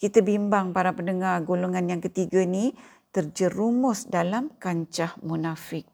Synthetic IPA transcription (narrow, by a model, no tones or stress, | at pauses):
kit̪abimbaŋpaɾapəndəŋarɡoloŋanjaŋkət̪iɡani | t̪ərd͡ʒəɾumʊsdalamkaɲt͡ʃahmunafɪk̚